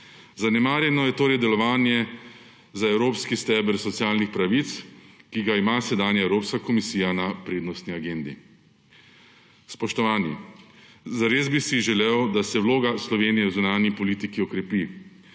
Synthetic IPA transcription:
zanɛmaːɾjɛnɔjɛt̪oːɾɛjd̪ɛlɔʋaːnjɛ | zaɛwɾoːpskist̪ɛːbɛɾsɔt̪sjaːlnixpɾaʋit̪skiɡaimasɛd̪aːnjaɛwɾoːpskakɔmisiːjanapɾeːd̪nɔst̪niaɡeːnd̪ḭ | spɔʃt̪ɔʋaːnḭ | zaɾezbisiʒɛlewd̪asɛwloːɡaslɔʋeːnijɛwzunaːnjipɔliːt̪ikiɔkɾɛpi

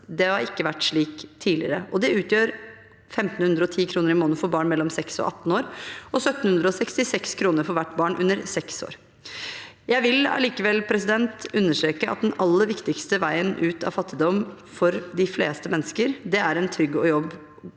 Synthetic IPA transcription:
d̪ɛhɑɾɪkːəʋæʈːʂɭiːkt̪ʰiːlɪəɾəʔɔd̪ɛʉːt̪ʰjøːɾ | fɛmt̪n̩hʉnd̪ɾəɔt̪ʰiːkʰɾuːnəɾɪmoːnəfɔɾbɑːɳmɛlːɔmsɛksɔ̰ʔɑ̰t̪ːn̩oːɾɔsœt̪ːn̩hʉnd̪ɾəɔsɛkst̪ɪsɛkskʰɾuːnəɾfɔɾʋæʈːbɑːɳʔʉnːəɾsɛkso̰ːɾ | jæɪʋɪlɑ̰liːkəʋɛlpʰɾɛs̬ɪd̪ɛnt̪ʉnːəʂʈɾeːkəɑ̰t̪̚d̪ɛnɑlːəɾʋɪkt̪ɪkst̪əʋæɪənʔʉːt̪ɑ̰ʋfɑt̪ːɪd̪ɔm | fɔɾd̪ɪflḛːst̪əmɛnːəskəɾd̪ɛæɾɛnt̪ʰɾʏɡːɔ̰jɔb

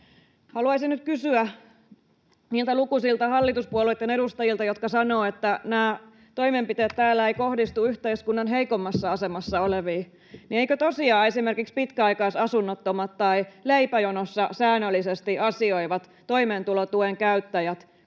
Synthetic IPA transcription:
hɑluɑisinyt̪̚kysyæ | niːlt̪ælukusilt̪ɑhɑlːit̪uspuoluit̪ːˑeneɾust̪ɑjilt̪ɑjot̪kɑsɑnoːet̪ːænæː | t̪o̞imempit̪eːt̪t̪æːlːæeikohdist̪uyht̪eiskunːɑnɦeikomːɑsːɑɑsemɑsːɑoleʋiː | nieikøt̪osiɑːesimerkikspit̪kæɑikɑːsɑsunːot̪ːomɑt̪t̪ɑileipæjonosːɑsæːnːølːisest̪iɑsioiʋɑt̪ | toimeːnt̪ulot̪ueŋkæyt̪ːæjæt̪

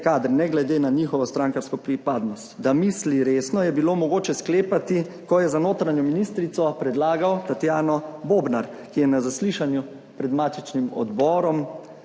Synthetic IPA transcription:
kaːd̪ɾnɛɡlɛd̪eːnaɲixɔʋɔst̪ɾaːŋkaɾskɔpɾipaːd̪nɔst̪d̪amisliɾeːsnɔjɛbiloːmɔɡoːt͡ʃɛskleːpat̪i | kɔjɛzanoːt̪ɾaɲɔminist̪ɾit̪sɔpɾɛd̪laːɡawt̪at̪jaːnɔboːbnaɾ | kijɛnazasliʃanju | pɾɛd̪mat͡ʃ̪it͡ʃnimɔ̰d̪bɔːɾɔm

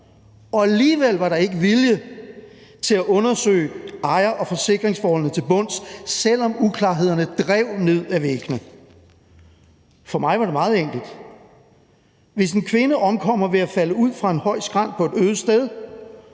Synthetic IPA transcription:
ɒ̽æliːʋel̰ʋɑ̈ɾɑ̈e̝ɡ̥əʋiljə | t͡sʰe̝læʔɔ̽nɐsø̰ːɪɑ̈ɪɐʔɒ̽fɒ̽se̝ɡ̥ʁeŋsfɒːhɒ̽l̰nət͡sʰe̝lb̥ɔ̽n̰ssel̰ɒ̽mukʰlɑ̈ːɦe̝ð̞̰ˠɐnəd̥ʁɛʊ̰ne̝ð̞̰ˠæʋeɡ̥nə | fɒ̽mɑ̈ɪʋɑ̈ɾe̝mɑ̈ːð̩ˠeŋ̰ɡ̥l̩d̥ | ʋe̝se̝nkʰʋe̝nəʔɒ̽mkʰɒ̽m̰ɐʋe̝æfæləuð̞̰ˠfʁɑ̈e̝nhɒ̽ɪ̰sɡ̥ʁɑ̈n̰d̥pʰɒ̽e̝d̥øːð̞̩ˠsd̥eð̞ˠ

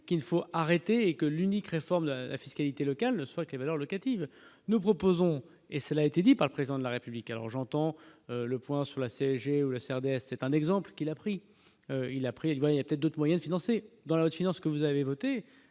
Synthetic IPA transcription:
kʲilfoaʁet̪eːkəlynikʁefɔʁmd̪əla̰fiskalit̪elɔkalnəswakəlevalœʁlɔkat̪iv | nupχɔpozɔ̃ | esəlaet̪ed̪ipaʁləpχezid̪ɑ̃d̪əlaʁepyblikalɔ̰ʁʒɑ̃t̪ɑ̃øləpwɛ̃syʁlaseɛʒeulaseɛʁd̪eɛsːɛt̪ɛ̃nɛɡzɑ̃plkʲilapχi | øilapχiilvwajailjapə̥t̪ɛt̪χd̪ot̪χmwajɛ̃d̪əfinɑ̃sed̪ɑ̃laot̪finɑ̃skəvuzavevɔt̪e

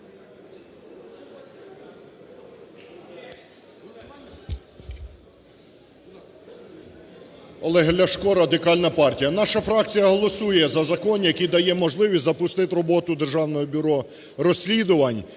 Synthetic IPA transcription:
ɔlˠɛɦlʲɐʃkɔɾɐd̪ɪkɑlʲnɐpɑrtʲijɐnɑʃɐfɾɑk̚t͡sʲijɐɦɔlˠɔsujɛzɐzɐkɔnjɐkʲijd̪ɐjɛmɔʒlˠɪʋʲisʲzɐpʊst̪ɪt̪ɾɔbɔt̪ʊd̪erʒɑwnɔjɔbʲʊɾɔ | rɔsʲlʲid̪ʊʋɐnʲ

